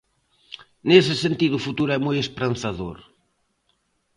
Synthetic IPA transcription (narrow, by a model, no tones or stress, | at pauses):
nesɪsent̪iðʊːfut̪uɾʊɛmojespɾɐnθɐðo̰ɾ